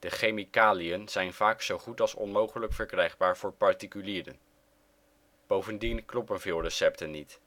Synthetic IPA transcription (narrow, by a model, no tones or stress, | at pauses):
d̥əχejmikaːlijənz̥ɛjnv̥aːksowχutɑlˠsɔ̰nmowχələkfəɹkrɛjχbaːɹvʊːɹpɑɹtikyliːɾə̰n | b̥owvəndinklɔpənvɪːlˠrəsɛp̚tənːit